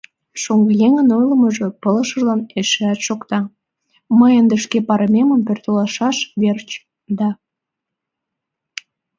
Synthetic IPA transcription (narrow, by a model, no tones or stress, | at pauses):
ʃoŋɡəjeŋənojləməʒopələ̆ʃəʒlɑneʃeæt̪ʃokt̪ɑ | məjənd̪ə̆ʃkepɑɾəmeməmpørt̪əlɑʃɑʃβert͡ɕ | d̪ɑ